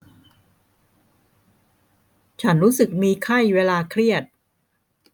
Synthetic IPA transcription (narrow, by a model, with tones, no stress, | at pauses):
t͡ɕʰa˦˥nɾuː˦˥sɯ˨˩k̚miː˧kʰa˥˩jweː˧laː˧kʰɾi˥˩ət̪̚